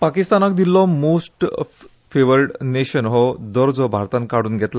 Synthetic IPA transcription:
pakist̪anak̚d̪ilːɔmosʈ | feʋəɾɖneɕənɦɔd̪ɔɾd͡zɔbʱa̰ɾt̪ãnkaɽuːnɡʱɛt̪la

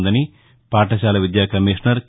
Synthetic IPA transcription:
nd̪ɐni | paːʈɐʃaːlɐʋid̪jaːkɐmiʂɳɐɾk

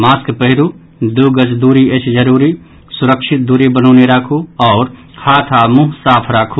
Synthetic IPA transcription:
maːskpəɦɪɾu | d̪uɡəd͡ʒd̪uːɾiet͡ʃʰd͡ʒəɾuːɾi | sʊɾəkʃɪt̪̚d̪uɾibənɔːneɾaːkʰuɔːɾ | kʰaːt̪ʰamuɦsaːpʰɾaːkʰu

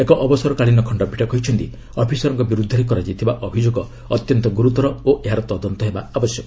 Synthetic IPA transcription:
ekɔʔɔbɔsɔɾɔkaɭinɔkʰɔɳɖɔbʱiʈɔkɔɦit͡ʃʰɔnt̪i | ɔpʰisɔɾɔŋkɔbiɾud̪ʱɔɾikɔɾad͡ʒit̪ʰibaʔɔbʱid͡ʒoɡɔ | ɔt̪jɔnt̪ɔɡuɾut̪ɔɾɔoʔeɦaɾɔt̪ɔd̪ɔnt̪ɔɦebaabɔsjɔkɔ

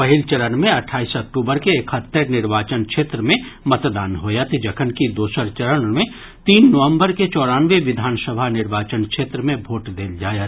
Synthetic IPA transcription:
pɐɦɪlt͡ʃɐɾənmẽɐʈʰaːisɐk̚ʈuːbəɾkeːkʰhət̪ːəɾnɪɾʋaːt͡ʃənkʃeːt̪ɾəmẽmɐt̪d̪aːnɦoːjat̪d͡ʒɐkʰənkid̪oːʃəɾt͡ʃɐɾənmẽ | t̪iːnːɐʋə̃mbəɾket͡ʃɔːɾaːnʋeʋɪd̪ʱaːnsəbʱanɪɾʋaːt͡ʃənkʃeːt̪ɾəmẽbʱoːʈd̪eːld͡ʒaːjat̪

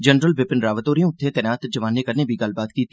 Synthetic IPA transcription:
d͡ʒənɾəlʋɪpɪnɾaːʋət̪oːɾijõʊt̪ʰːẽːt̪ɛːnaːt̪d͡ʒɐʋaːnːekəɾneːbʱiɡɐlbaːt̪kiːt̪ːi

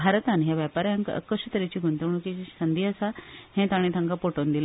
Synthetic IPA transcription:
bʱaɾt̪anɦjaʋjapaɾjãŋkə̰kəʂət̪əɾet͡ɕiːɡʱunt̪əʋɳukisənd̪ʱiəsahẽt̪aɽ̃ĩt̪ʰãŋkapoʈond̪il

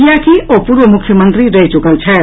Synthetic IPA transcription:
ijakiʔopuɾʋəmʊkʰjəmənt̪ɾiɾəɦit͡ʃukəlt͡ʃʰɛ

